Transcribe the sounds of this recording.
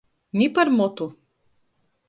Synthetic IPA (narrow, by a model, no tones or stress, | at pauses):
nʲipaɾmɔt̪u